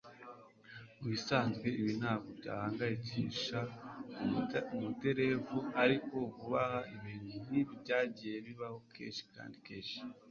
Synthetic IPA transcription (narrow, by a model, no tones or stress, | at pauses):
wisaːnzɡwe̞iβin̥aːβobɟa̰ːhaːŋɡajeciʃa | mute̞ɾe̞vuaɾiko̞vuβahaʔiβiːn̥huniβɟaːɟije̞βiβaho̞kʰḛːnʃi̥ka̰ːndike̞ːnʃi̥